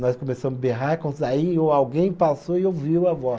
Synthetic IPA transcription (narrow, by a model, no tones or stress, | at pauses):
nɔskõmesɐ̃mʊzbeɦaɾkõaioawɡẽj̃pasoɪewviwavɔ